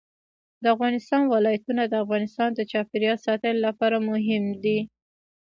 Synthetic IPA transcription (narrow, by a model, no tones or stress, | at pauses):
d̪əafɣɑnɪst̪ɑnwɪlɑjat̪unad̪əafɣɑnɪst̪ɑnd̪ət͡ʃɑpɪɾjɑsɑt̪əlolapɑɾamʊɦɪmd̪i